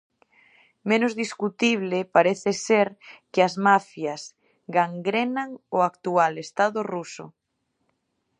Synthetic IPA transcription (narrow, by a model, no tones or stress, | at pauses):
mẽnozðiskut̪iβ̞lepaɾeθeseɾkɪazmafjas | ɡaŋɡɾenaŋʊak̚t̪ualest̪aðʊrusʊ̰